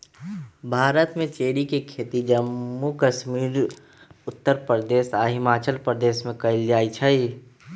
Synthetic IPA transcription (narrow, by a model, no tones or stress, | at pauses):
bʱaːɾət̪mẽt͡ʃeːɽikekʰeːt̪id͡ʒəmːukəʃmiːɾ | ʊt̪ːəɾpɾəd̪eːsaɦɪmaːt͡ʃəlpɾəd̪eːsmẽkəɪld͡ʒaːit͡ʃʰəi